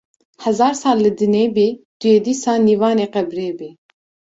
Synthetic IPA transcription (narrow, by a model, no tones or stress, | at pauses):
hɛzɑːɾsɑːlːɨd̪ɨneːbeːd̪̥ujeːd̪iːsɑːlniːvɑːneːqɛbɾeːbeː